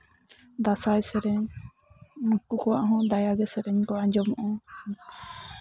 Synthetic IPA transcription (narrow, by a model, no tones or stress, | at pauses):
d̪asajsɛɾɛɲ | kukɔwa̰ʔɦɔ̃d̪ajaɡɛsɛɾɛɲkɔaɲd͡ʒɔmɔʔɔ̃